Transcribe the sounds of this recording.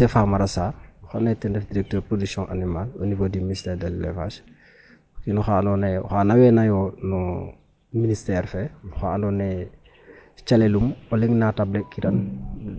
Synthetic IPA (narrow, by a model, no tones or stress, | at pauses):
ɛfamaɾasaːrxanɛtɛndɛfdiɾɛk̚tøːɾpɾodyksjɔ̃ʔa̰nimalo̰nivodiministɛːɾdɛllḛva̰ʃ | kinuxandɔnɛxanawɛnajɔnu | ministɛːɾfɛnuxaandɔnɛ | t͡ʃalelumoliŋnatablekiɾɐn